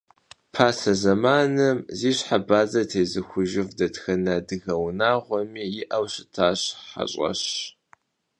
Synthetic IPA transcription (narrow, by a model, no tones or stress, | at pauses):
pʰaːsɐzɐmaːnɐmziːɕħabaːzɐtʰeːzɨxʷʊʒɪvdɐtxɐnɐdɨɣɐwnaːʁʷɔmiːjɪʔɐwɕɪ̥tʰaːɕħa̰ɕʼɐ̰ɕ